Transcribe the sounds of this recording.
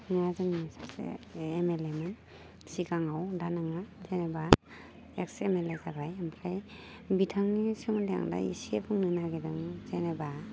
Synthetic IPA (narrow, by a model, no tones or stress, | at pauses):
nazɯŋasasḛemelemɯn | sikaŋawdanaŋazeneba | eksemelezabajampʰɾaj | bitʰaŋnisɯŋdeja̰ŋda̰ḭsiepʰɯŋnɯnaɡedɯŋzeneba